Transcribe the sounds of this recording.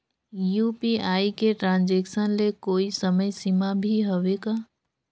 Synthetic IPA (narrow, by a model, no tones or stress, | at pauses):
juːpiaːikeʈɾãːnd͡ʒeːksənlekoːisəməjsimabʱiɦoʋekaː